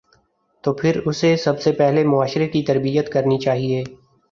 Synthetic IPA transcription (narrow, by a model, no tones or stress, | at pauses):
t̪oːpʰɪɾʊsesɐbsepɛɦlemʊaːʃɾekit̪ɐɾbijət̪kɐɾnit͡ʃaːɦieː